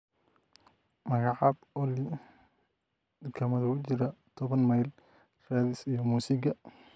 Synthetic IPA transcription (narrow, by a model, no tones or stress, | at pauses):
mɐɣɑʕɑb | ɔli | d̪ɪkʰɐmɐðɐʊt͡ʃɪɾɐt̪ʰɔβɐnmɐjl | raːðɪsijɔmuːsɪɡɐ